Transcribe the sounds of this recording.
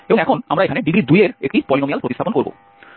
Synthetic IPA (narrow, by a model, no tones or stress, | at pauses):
ebõŋɛkʰona̰mɾaekʰaneɖiɡɾid̪ujeɾḛk̚ʈipɔlinomijalpɾot̪ist̪ʰaponkoɾbo̰